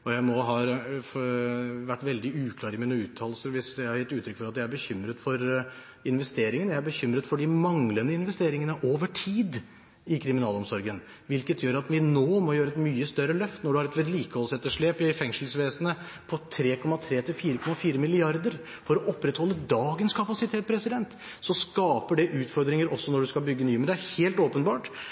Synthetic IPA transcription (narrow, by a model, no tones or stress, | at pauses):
ɔjæɪmɔɦɑːɾ | ʋæʈːʋɛld̪ɪʉːkʰlɑːɾɪmiːnəʉːt̪ʰːɑːləsəɾʋɪsjæɪhɑɾjɪt̪ːʉːt̪ʰɾʏkːfɔɾɑt̪̚d̪ɛææɾbəçʏmːɾət̪fɔɾ | ɪnʋɛst̪eːɾɪŋənjæɪæbəçʏmːɾət̪fɔɖɪmɑŋlənəɪnʋɛst̪eːɾɪŋənəʔoːʋəʈʰiːd̪ | ɪkʰɾɪmɪnɑːlɔmsɔɾɡən | ʋɪlkət̪jøːɾɑt̪ʋɪnoːmɔjøːɾəɛt̪myːəst̪œɾːəlœft̪nɔɖʉhɑɾɛt̪lɪt̪liːkəhɔlsɛt̪ːəʂɭeːpɪfɛŋʂəl̩sʋeːsənə | pʰɔt̪ʰɾeːkʰɔmːɑt̪ʰɾeːt̪ʰɪlfiːɾəkʰɔmɑfiːɾəmɪlɪɑɾd̪əɾ | fɔɾɔʔɔpːɾɛt̪hɔlːəd̪ɑːɡənskʰɑpɑsɪt̪ʰeːt̪̚pʰɾɛsɪd̪ɛnt̪ | sɔskɑːpəɖɛʔʉːt̪fɔɾd̪ɾɪŋəɾɔsːɔnɔɖʉskɑlbʏɡːənyːməd̪æheːlt̪oːpənbɑːʈ